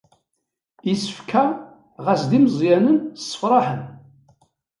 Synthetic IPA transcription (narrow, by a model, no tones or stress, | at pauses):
isə̥fkʰa | ʁæsd̪imzˤjænənsːə̥fɾˤɑħən